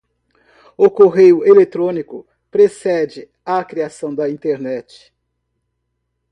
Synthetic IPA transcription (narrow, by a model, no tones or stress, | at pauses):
ʊkoɦejʊʔelet̪ɾõnikʊ | pɾesɛd͡ʒɪ | akɾiasɐ̃w̃d̪ɐĩt̪eɾnɛt͡ʃɪ̥